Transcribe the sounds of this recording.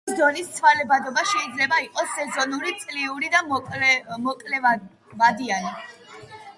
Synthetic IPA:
sd̪ɔnist̪sʰwalɛbad̪ɔbaʃɛid̪zlɛbaiqʼɔsːɛzɔnuɾit̪sʼliuɾid̪amʼmɔkʼlɛva | vad̪iani

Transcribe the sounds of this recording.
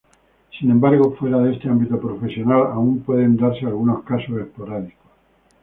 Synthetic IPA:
sinẽmbaɾɣo̞fwe̞ɾaðest̪e̞ambit̪opɾo̞fe̞sjo̞nalaumpwe̞ðe̞nd̪aɾsealɣuno̞skasose̞hpo̞ɾaðikos

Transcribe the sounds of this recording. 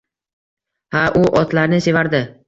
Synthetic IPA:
haʔʊʔɒt̪laɾnɪse̞vaɾd̪ɪ

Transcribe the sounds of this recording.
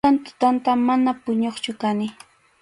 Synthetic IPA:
ant̪ʊ̥t̪ant̪amanapʊɲoχt͡ʃʊkanɪ

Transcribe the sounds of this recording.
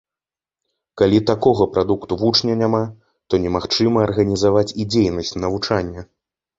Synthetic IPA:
kalʲit̪akɔɣɐpɾʔad̪ukt̪uvut͡ʂnʲɐnʲama | t̪ɔnʲɛmaxt͡ʂɨmɐːrɣɐnʲizavat͡sʲid͡zʲejnɐsʲt͡sʲnɐvut͡ʂanʲːɐ

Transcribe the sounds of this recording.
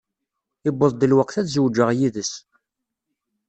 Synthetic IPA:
ɪbːəðˤd̪əlwəqːθæt͡szəwd͡ʒəʁjiðəs

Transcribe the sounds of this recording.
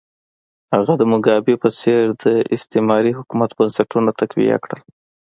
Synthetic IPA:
haɣad̪əmʊɡɑbepət͡seɾd̪əɪst̪emɑɾiɦʊkumat̪bənsaʈunat̪akwḭja̰kɽə̰l

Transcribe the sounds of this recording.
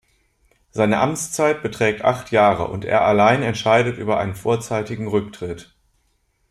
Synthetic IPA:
z̥aɪnəʔamt͡st͡saɪt̚b̥ətʁ̥ɛːk̚tʔa̰χtjaːʁə̰ʔʊ̰ntḛːɐʔalaɪnɛntʃaɪdətʔy̰ːbɐʔa̰ɪnənfoːɐt͡saɪtɪɡŋ̩ʁʏktʁ̥ɪt

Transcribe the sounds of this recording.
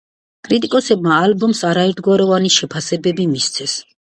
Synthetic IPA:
kʼɾit̪ʼikʼɔsɛbmaːlbɔmsaɾaɛɾt̪ʰɡwaɾɔvaniʃɛpʰasɛbɛbimist̪sʰɛs

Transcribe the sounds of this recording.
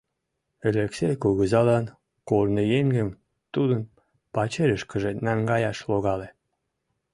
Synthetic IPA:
eleksekuɣəzɑlɑn | kornejeŋɡəm | t̪ud̪ən | pɑt͡ɕeɾəʃkə̆ʒenæŋɡɑjɑʃloɣɑle

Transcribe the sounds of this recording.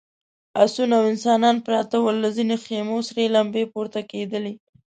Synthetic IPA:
asunawɪnsɑnɑnpɾɑt̪awəlːazinexemosaɾelambepoɾt̪aked̪əli

